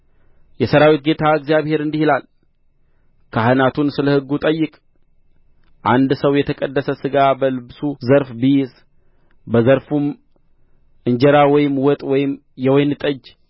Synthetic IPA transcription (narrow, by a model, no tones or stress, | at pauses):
jɛsəɾawit̪̚ɡe̞t̪ʰaɨkzjaβhe̞ɾɨnd̪ihilal | kʰaɦɨnat̪unsɨləhɨɡːut̪ʼəjːɪkʼ | ʔand̪səwjɛt̪ʰəkʼəd̪ːəsəsɨɡabəlɨbsuzəɾfbijɛz | bəzəɾfum | ʔɨɲd͡ʒɛɾawɔjɪmwɔt̪ʼwɔjɪm | jɛwɔjnɨt̪ʼəd͡ʒ